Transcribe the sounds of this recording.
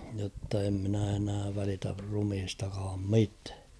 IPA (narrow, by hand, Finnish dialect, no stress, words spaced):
jotːɑ em minæ enæː ʋælitær rumhistɑkɑːm mitæ̥ː